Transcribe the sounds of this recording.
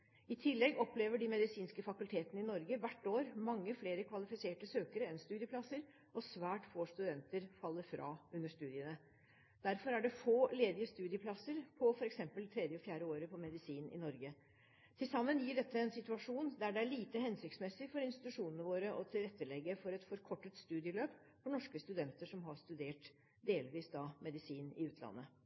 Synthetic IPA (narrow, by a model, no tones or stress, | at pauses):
ɪt̪ʰɪlːɛɡɔpleːʋəɖɪmɛd̪ɪsiːnskəfɑkʉlt̪ʰeːt̪ənəɪnɔɾɡəʋæʈːoːɾmɑŋːəfleːɾəkʰʋɑlɪfɪseːʈəsøːkəɾəɛnst̪ʉːd̪jəpʰlɑsəɾ | ʔɔsʋæːʈfoːst̪ʉd̪ɛnt̪əɾfɑlːəɾfɾʔɑ̰ːʉnːəʂt̪ʉːd̪ɪənə | d̪̥æɾfɔɾæɖɛfoːleːd̪ɪəst̪ʉːd̪ɪəpʰlɑsəɾpʰɔfɔɾɛksɛmpəlt̪ʰɾɛd̪jəɔfjæːɾəoːɾəpʰɔmɛd̪ɪsiːnʔɪ̰nɔɾɡə | t̪ʰɪlsɑmːənjiːɖɛt̪ʰːəɛnsɪt̪ʉɑʂuːnd̪æɖɛæɭiːt̪əhɛnsʏksmɛsɪfɔɾɪnst̪ɪ̥t̪ʉʂuːnənəʋoːɾəʔɔt̪ʰɪlɾɛt̪ːəlɛɡːəfɔɾɛt̪fɔɾkʰɔʈːət̪st̪ʉːd̪ɪəløːp | fɔɳɔʂkəst̪ʉd̪ɛnt̪əʂɔmɦɑɾʂt̪ʉd̪eːʈ | d̪eːlʋiːsd̪ɑːmɛd̪ɪsiːnɪ̰ʉːt̪ʰlɑ̰nːə